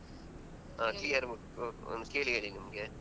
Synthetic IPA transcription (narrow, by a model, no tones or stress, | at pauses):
aːklijɐɾ | o̰nd̪keːɭiɐɭinimɐɡe